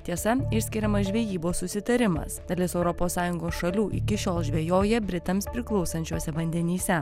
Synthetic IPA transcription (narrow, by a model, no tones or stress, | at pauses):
t̪ʲiɛsɐɪʃsʲkʲɪɾʲɛmɐsʒʲʋʲeːjiːboːssʊsʲɪt̪ɐɾʲɪmɐ̰sd̪ɐlʲɪsɛʊɾɔpoːsːɑːjʊŋɡoːsʃɐlʲuːʔɪ̰kʲɪʃʲoːlˠʒʲʋʲeːjoːjɛbʲɾʲɪt̪ɐmspʲɾʲɪklˠɒʊsɐnʲt͡ʃʲuɔsʲɛʋɐnʲd̪ʲɛnʲiːsʲɛ